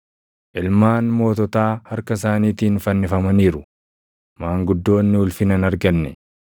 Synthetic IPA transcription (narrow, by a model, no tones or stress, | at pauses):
ʔɪlmaːnmo̞ːt̪ɔt̪aːhɐɾkɐs̬aːniːt̪iːnfɐnːɪfɐmɐniːɾʊ | maːŋɡʊd̪ːo̞ːnːɪʊlfɪnɐnɐɾɡɐnːɛ